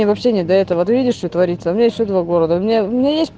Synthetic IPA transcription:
evɐpɕːenʲɪd̪ɐɛt̪əvət̪ɨvʲidʲɪʂt̪ojt̪vɐɾʲit̪səɐmʲɪnʲjɪsʲɕod̪vaɡo̞ɾəd̪əʊmʲɪnʲaʊmʲɪnʲajestʲp

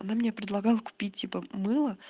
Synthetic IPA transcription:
ɐnamʲɪnʲepɾʲɪd̪lˠɐɡɑlˠəkʊ̥pʲit̚ʲtʲːipəmɨlˠə

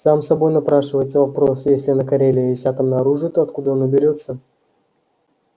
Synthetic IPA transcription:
samsɐbo̞jnapɾaʂɨvəjɪt̪səvɐpɾo̞sjesʲlʲɪnəkɐɾʲelʲɪjesʲat̪əmnəɐɾuʐɨt̪oɐt̪kud̪əonəbʲɪɾʲo̞t̪sə

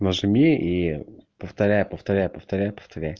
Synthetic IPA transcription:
nəʐɨmʲiipəft̪ɐɾʲæjpəft̪ɐɾʲæjpəft̪ɐɾʲæjpə̥ft̪ɐɾʲæj

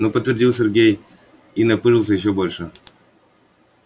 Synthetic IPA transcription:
nopət̪vʲɪrdʲilˠsʲɪrɡʲej | inɐpɨʐɨlˠs̬ʲəjɪɕ̬ːobolʲʂɨ

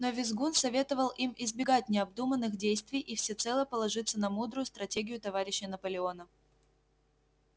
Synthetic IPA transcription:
novʲɪzɡunsɐvʲe̞t̪əvəlˠʔimɪzbʲɪɡat̚ʲnʲɪɐb̚d̪umənːɨxdʲejst̪vʲɪjʔifsʲɪt̪sɛlˠəpəlˠɐʐɨt̪sːənɐmud̪ɾʊjʊst̪ɾɐtʲeɡʲɪjʊt̪ɐvaɾʲɪɕːənəpəlʲɪo̞nə

